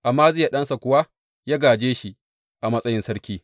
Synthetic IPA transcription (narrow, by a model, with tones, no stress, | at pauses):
ʔa˨mːaː˦zeː˦ja˨ɗɐ˦nsa˨kʷʊ˨wa˦ | jaː˦ɡaː˨d͡ʒeː˦ʃi˨ | ʔa˨mɐ˦sʼɐ˦jɪ˦nsɐ˦ɽkʲiː˦